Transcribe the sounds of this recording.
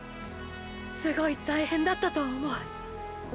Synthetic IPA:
sɨɡo̞it̪aihẽ̞nd̪at̪ːat̪o̞ːmo̞ɯ̟

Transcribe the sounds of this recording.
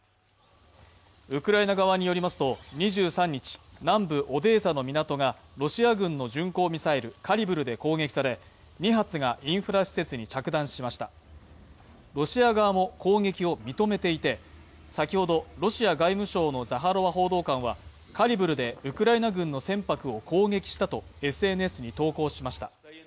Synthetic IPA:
ɯ̟kɯ̟ɾainaɡaβaɲ̟ijo̞ɾʲimasɨ̥t̪o̞ɲ̟iʑɨːsãɲ̟ːit͡ɕi̥nãmbɯ̟ʔo̞d̪e̞ːsano̞mʲinat̪o̞ŋa | ɾo̞ɕiaɡɯ̟̃nːo̞ʑɨ̃ŋko̞ːmʲisaiɾɯ̟kʰaɾʲibɯ̟ɾɯ̟d̪e̞ko̞ːŋe̞kʲi̥saɾe̞ | ɲ̟iɦat͡sɨɡaʔĩɰ̃ɸɯ̟ɾaɕi̥se̞t͡sɨɲ̟it͡ɕakɯ̟d̪ãɰ̃ɕimaɕi̥t̪a | ɾo̞ɕiaɡaːmo̞kʰo̞ːŋe̞kʲio̞mʲit̪o̞me̞t̪e̞it̪e̞ | sakʲiho̞d̪o̞ɾo̞ɕiaɡaimɯ̟ɕo̞ːno̞zaɦaɾo̞βaɦo̞ːd̪o̞ːkãɰ̃βa | kaɾʲibɯ̟ɾɯ̟d̪e̞ɯ̟kɯ̟ɾainaɡɯ̟̃nːo̞sẽ̞mpakɯ̟o̞kʰo̞ːŋe̞kʲi̥ɕi̥t̪at̪o̞e̞sɨe̞nɯ̟e̞sɨɲ̟it̪o̞ːko̞ːɕimaɕi̥t̪ḁ̰

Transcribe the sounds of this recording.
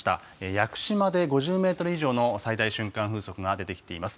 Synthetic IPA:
t̪a̰ | ejakɯ̟̥ɕimad̪e̞ɡo̞ʑɨːme̞ːt̪o̞ɾɯ̟iʑo̞ːno̞said̪aiɕɨ̃ŋkãɸɯ̟ːso̞kɯ̟ɡad̪e̞t̪e̞kʲi̥t̪e̞imasɨ̥

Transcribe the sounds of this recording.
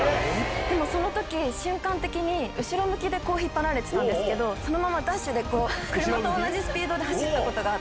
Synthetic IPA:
d̪e̞mo̞so̞no̞t̪o̞kʲiɕɨ̃ŋkãnt̪e̞kʲiɲ̟iɯ̟ɕiɾo̞mɯ̟kʲid̪e̞ko̞ːçipːanaɾe̞t̪e̥t̪ãnd̪e̞sɨ̥ke̞d̪o̞so̞no̞mamad̪ãɕɨd̪e̞ko̞ːkɯ̟ɾɯ̟mat̪o̞ːnːaʑisɨ̥pʲiːd̪o̞d̪e̞haɕit̪ːako̞t̪o̞ɡa

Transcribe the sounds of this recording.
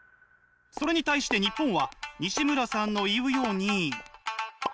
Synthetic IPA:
so̞ɾe̞ɲ̟it̪aiɕi̥t̪e̞ɲ̟ipːõ̞ɰ̃βaɲ̟iɕimɯ̟ɾasãnːo̞iɯ̟jo̞ːɲ̟i

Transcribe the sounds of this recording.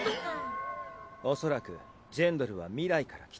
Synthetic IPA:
o̞so̞ɾakɯ̟̰ | d͡ʑẽ̞nd̪o̞ɾɯ̟β̞amʲiɾaikaɾakʲi̥

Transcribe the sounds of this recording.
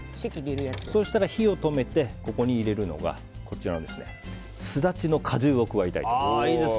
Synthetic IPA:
sekʲid̪eɾɯjaso̞ːɕi̥t̪aɾaçio̞t̪o̞me̞t̪e̞ko̞ko̞ɲ̟iːɾe̞ɾɯ̟no̞̰ɡa̰ | ko̞t͡ɕiɾand̪e̞sɨne̞̰ | sɨd̪at͡ɕino̞kʰaʑɨːo̞kɯ̟βait̪a̰ḭt̪oie

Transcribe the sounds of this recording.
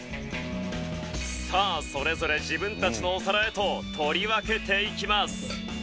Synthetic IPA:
saːso̞ɾe̞zo̞ɾe̞ʑibɯ̟̃nt̪at͡ɕino̞ːsaɾae̞t̪o̞t̪ʰo̞ɾʲiβake̞t̪e̞ikʲimasɨ̥

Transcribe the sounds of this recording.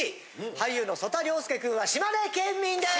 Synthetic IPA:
i | haijjɯ̟ːno̞so̞t̪aɾʲo̞ːsɨ̥kekɯ̟̃ɰ̃βaɕimaɾe̞kẽmːʲĩnd̪e

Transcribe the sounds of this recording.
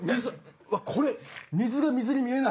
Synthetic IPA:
miakʰoɾemʲizɨɡamʲizɯɾʲimiɾena

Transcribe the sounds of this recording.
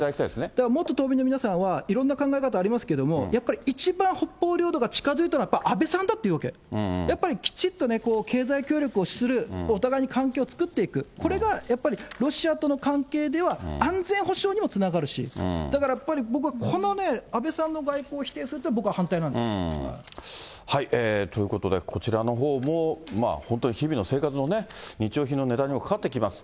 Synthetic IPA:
t̪aakʲit̪aḭesned̪akamo̞t̪ːo̞t̪oːbʲinomʲinasãɰ̃βaiɾõ̞nːakãŋɡaekat̪aːɾʲimasɨ̥ke̞d̪o̞mo̞japːaɾʲiit͡ɕibãɰ̃ho̞pːo̞ːɾʲo̞ːd̪o̞ɡat͡ɕi̥kazɨit̪anajapːaiʔabe̞sãnd̪at̪ːeiɯ̟βake̞japːaɾʲikʲi̥t͡ɕit̪ːo̞ne̞ko̞ːkʰe̞ːzaikʲo̞ːɾʲo̞kɯo̞ɕi̥sɨɾɯ̟ot̪aɡaiɲ̟ikãŋkeːot͡sɨ̥kɯ̟t̪ːe̞ikɯ̟kʰo̞ɾe̞ɡajapːaɾʲiɾo̞ɕiat̪o̞no̞kãŋke̞ːd̪e̞βaãnd͡zẽ̞ɰ̃ɦo̞ɕo̞ːɲ̟imo̞t͡sɨnaɡaɾɯ̟ɕḭd̪akaɾajapːaɾʲibo̞k̬ɯɡakʰo̞no̞ne̞abe̞sãnːo̞ɡaiko̞ːçʲi̥t̪e̞ːsɨɾɯt̪ːabo̞kɯ̟βahãnt̪ainãneḛ | haiʔeːt̪o̞jɯ̟ko̞t̪o̞d̪e̞̰kʰo̞t͡ɕiɾano̞ɦo̞ːmo̞ma̰ːhont̪o̞ɲiçibʲino̞se̞ːkat͡sɨno̞ne̞ɲ̟it͡ɕio̞ːçino̞ne̞d̪ãɲ̟imokʰḁkat̪ːekʲimasɨ̥

